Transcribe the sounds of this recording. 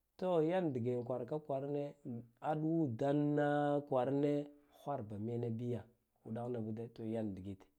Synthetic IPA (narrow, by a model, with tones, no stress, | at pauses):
to˦ja˦ndi˨ɡe˨ŋ˨kʷa˨ɾka˦kʷa˨ɾne˦a˦ɗu˦wu˦da˦nːa˦kʷa˨ɾne˦ | xʷa˦ɾba˨me˦na˦bi˦ja˨ | u˨da˦ɣna˨bu˦da˦to˨ja˦n˨di˨ɡi˦t